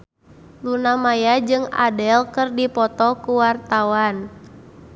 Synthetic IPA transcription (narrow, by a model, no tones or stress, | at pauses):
lunamajad͡ʒɨŋa̰dɛlkərdipɔt̪ɔkuwart̪awan